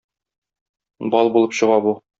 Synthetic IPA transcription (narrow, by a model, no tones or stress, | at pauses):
bɒlˠbulˠɤpɕɤ̆ʁɑbu